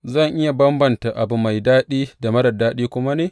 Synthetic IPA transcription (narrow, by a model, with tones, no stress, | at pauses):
zɐ˦˨ŋʔɪ˦ja˨bɐ˦mbɐ˨nta˨ʔa˨bu˨ma˨jdaː˦ɗiː˦da˨mɐ˦dɐ˨daː˦ɗiː˦kʷʊ˦ma˦neː˨